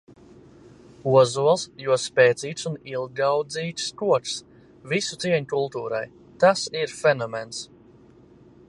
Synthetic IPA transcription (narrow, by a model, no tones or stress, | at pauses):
uɔzuɔlˠsjuɔspɛːt̪siːt̪sunilˠɡawd̪ziːt̪skuɔks | visut̪siɛɲukulˠt̪uːɾa̰j | t̪asiɾfenɔmens